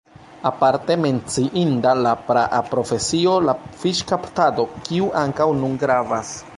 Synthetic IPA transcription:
apaɾte̞me̞nt͡siʔindalapɾaʔapɾo̞fe̞sio̞lafiʃkaptado̞kiuʔaŋkawnunɡɾavas

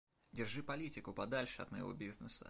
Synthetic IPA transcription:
dʲɪrʐɨpɐlʲitʲɪkʊpɐd̪alʲʂɨɐ̰t̪mɐjɪ̰vo̰bʲiznəsə̰

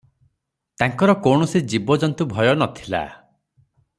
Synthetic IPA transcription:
t̪aŋkɔɾɔkɔwɳɔsid͡ʒibɔd͡ʒɔnt̪ubʱɔjɔnɔt̪ʰila̰

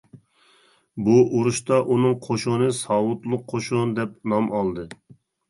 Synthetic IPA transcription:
buʔuɾuʃt̪ɑʔunɨŋqʰoʃonɨsɑwʊt̪lˠʊqʰːoʃond̪ɛp̚nɑmɑlˠd̪ɨ

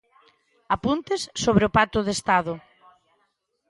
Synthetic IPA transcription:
apunt̪ɪsːoβɾeʊpat̪ʊðest̪aðʊ

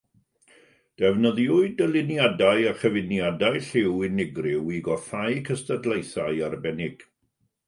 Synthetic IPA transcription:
d̥ɛvnəðjʊɨdəlˠɪnjadajaχəvɪnjadajɬɪwɪnɪɡrɪwiɡɔθajkʰəstədlˠejθaɨarbɛnɪɡ̥

